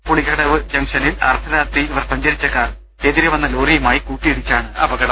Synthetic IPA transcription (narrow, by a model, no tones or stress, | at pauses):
poɭiɣɐɽɐʋɨɕɐmʂɐnilɐrt̪ʰɐðaːt̪iʋɐrsɐɲd͡ʑɐɾit͡ɕːɐkaːr | eːðiɾɐʋɐnːɐloːrijɐmaːjikuːʈːiiɽit͡ɕːaːɳɨɐbɐɡɐɽɐm